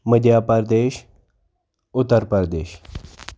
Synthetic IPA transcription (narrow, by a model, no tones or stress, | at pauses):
məd̪jaːpəɾd̪eːʃ | ʊt̪ːəɾpəɾd̪eːʃ